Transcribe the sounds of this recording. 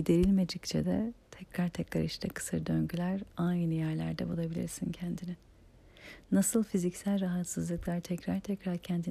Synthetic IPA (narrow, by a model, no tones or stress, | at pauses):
id̪e̞ɾilʲme̞d͡ʒict͡ʃʰɛ̰d̪ɛt̪ʰɛcɾaɾt̪ʰɛcɾa̰ɾiʃt̪ʰɛkʰɯ̥sɯɾd̪øɲɟylʲæɾajnnɯjæɾlʲæ̰ɾd̪ɛ̰bulˠabilʲḭɾsincʰɛnd̪inɪ | nasɯlˠfizicsælʲɾaɦat̪sɯzlˠɯklˠaɾt̪ʰɛcɾaɾt̪ʰɛcɾaɾcʰɛnd̪i